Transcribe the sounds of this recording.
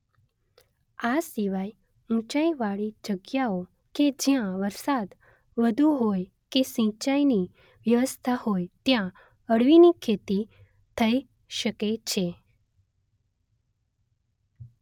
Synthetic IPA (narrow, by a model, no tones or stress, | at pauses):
asiʋaj | ũt͡ʃaiʋaɭid͡ʒəɡjao | ked͡ʒjãʋəɾsad̪ | ʋəd̪ʱuɦoj | kesə̃t͡ʃaini | ʋjəʋəst̪ʰahojt̪jã | əɽʋinikʰet̪i | t̪ʰəi | ʃəket͡ʃʰe